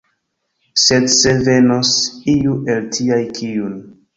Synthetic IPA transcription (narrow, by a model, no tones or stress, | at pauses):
sedsevenosijuʔe̞ltʰiajkʰijun